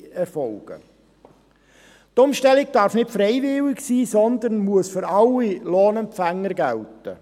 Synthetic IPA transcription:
ɛɾfɔlɡ̥ə̰ | tʊmʃtɛlɪɡ̚d̥ɑːɾfnɪtfɾɛɪvɪlɪksiːsɔnd̪ənmuəsfʏɾɑlːiloːnɛmfæŋːəɾɡæltə

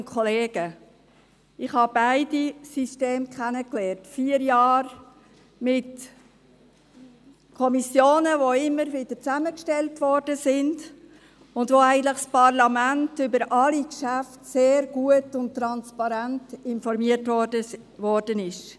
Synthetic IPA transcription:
kʰɔleːɡ̥ə | ɪχhɑbaɪdisisteːmkχɛnəklɛːɾtfiəɾjɑːɾ | mɪt | kʰɔmisjoːnəvoɪmːəɾvɪd̥ət͡sæməkʃtɛltvɔɾd̥əsɪnd | ʊndvoæɪɡən̩tləχspɑɾlɑmæntʏbəɾʔɑlikʃæftseːɾɡ̥uətʊnttːɾɑnspɑɾæntɪnfɔɾmiətvɔdə | vɔɾd̥ənɪʃ

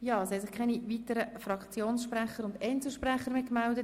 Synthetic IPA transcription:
jɑːshɛsɪχkʰaɪniʋitəɾəfɾɑkt͡sjoːnsʃpɾɛχəɾʊndɛnt͡sl̩ʃprɛχəɾmɪkmɛldə

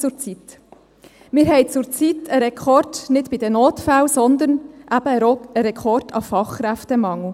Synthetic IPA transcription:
t͡sʊɾt͡sit̪ | mɪːɾhɛɪt͡sʊɾt͡sitəɾɛkʰɔrdnɪdb̥ɪd̥̪ənoːtfæwsɔnd̪ənʔæb̥əəɾɛkʰɔrdɑfɑχkɾæftəmɑŋl̩ə

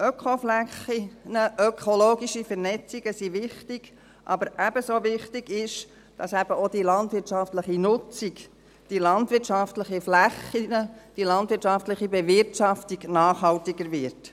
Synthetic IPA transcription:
œkʰoflæχinəʔœkʰoloːɡiʃifəɾnɛt͡siɡ̥əsiʋɪχtiɡ̥ | ʔɑ̰bəɾʔæb̥əsoʋɪχtiɡɪʃ | d̥ɑsæbəod̥ilɑntvʋɪɾtt͡ʃɑftləχinʊt͡siɡ | d̥ilɑndʋɪɾtʃɑftləχiflæχːinəd̥ilɑndʋɪɾtt͡ʃɑftləχibɛʋɪɾtʃɑftiɡnɑːχɦɑltiɡəɾʋɪɾt

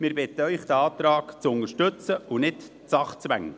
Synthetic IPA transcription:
mɪɾbɪt̪əœʏχd̥̪əɑːt̪ɾɑːɡt͡sʊnəɾʃtɵt͡səunɪt | t͡sɑχt͡sʋæŋːə

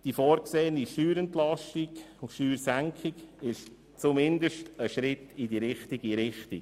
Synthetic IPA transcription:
d̥ifɔːɾkseːəniʃtyːɾɛntlɑʃtiɡʊntʃtyːɾsæŋkʰɪɡɪʃ | t͡sʊmɪndəʃtəʃɾɪtidiɾɪχtiɡiɾɪχtik

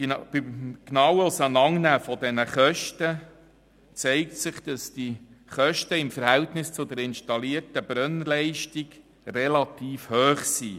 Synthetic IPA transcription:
b̥ɪmknɑːwəlsɑnɑŋnæːfɔdɛnəχœʃtə | t͡sɛɪktsɪχd̥ɑsd̥iχœʃtəɪmfəɾhɛltnɪst͡sʊd̪əɾɪnʃtɑliərtəbɾœnlɛɪʃtiɡ̥ | rɛlɑt̪iːfhøːχsiː

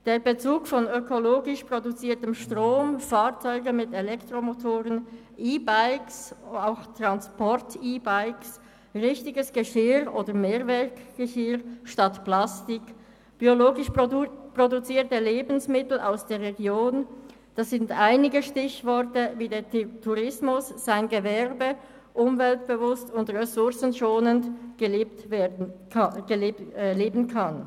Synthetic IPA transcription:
d̥eːɐbət͡suːkfɔnøkʰoloːɡɪʃpʁ̥odut͡siːɐtəmʃtʁoːmfaːʁt͡sɔʏɡənmɪtɛlɛktʁomotʰoːʁən | ʔiːbaɪksaʊxtʁ̥anspʰɔʁtʰiːbaɪks | ʁɪçtɪɡəsɡ̥əʃɪɾoːdəmeːʁvɛʁkɡ̥əʃɪʁʃtatplastɪk | b̥ioloːɡɪʃpʁodut͡siːɐtəleːbn̩smɪtl̩ʔa̰ʊsd̥eːɐʁʁeɡjoːn | d̥ɑsz̥ɪndaɪnɪɡəʃtɪçvɔɐtəviːdeːtʰuʁɪsmʊsːaɪnɡəvɛʁbə | ʔʊmvɛltb̥əvʊstʊndʁɛsʊʁsn̩ʃoːnəndɡ̥ | ɡ̥əleːbn̩kʰan

